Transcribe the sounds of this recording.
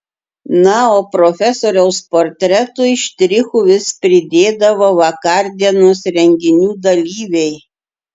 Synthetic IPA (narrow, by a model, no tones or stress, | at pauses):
nɑoːpɾɔfʲɛsoːɾʲɛʊspoːɾʲt̪ʲɾʲɛt̪ʊɪʃt̪ʲɾʲɪxuʋʲɪspʲɾʲɪd̪ʲeːd̪ɐʋoːʋɐkɑɾʲd̪ʲiɛnoːsɾʲɛŋʲɡʲɪnʲuːd̪ɐlʲiːʋʲɛɪ